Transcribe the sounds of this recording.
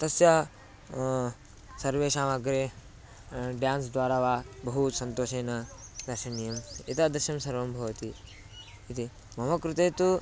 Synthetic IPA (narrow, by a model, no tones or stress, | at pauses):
t̪ɐsjɐ | sɐɾʋeːʃaːmɐɡɾeː | ɖjaːnsd̪ʋaːɾaːʋaːbɐɦusɐnt̪oːʃeːnɐd̪ɐɾʃɐɳijɐmit̪ɐd̪ɐɾʃɐmsɐɾʋɐmbʱɐʋɐt̪iː | t̪i | mɐmɐkɾut̪eːt̪u